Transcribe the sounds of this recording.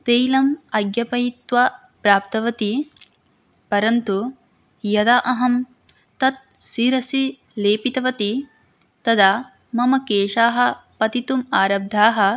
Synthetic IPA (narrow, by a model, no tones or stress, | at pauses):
t̪eːjlɐmɐɡjɐpɐjit̪ʋa | pɾaːp̚t̪ɐʋɐt̪i | pɐɾɐnt̪u | jɐd̪aːʔɐɦɐm | t̪ɐt̪̚siːɾɐsi | leːpit̪ɐʋɐt̪i | t̪ɐd̪aː | mɐmɐkeːʃaːɦɐ̆pɐt̪it̪umaːɾɐb̚d̪ʱaːɦɐ̆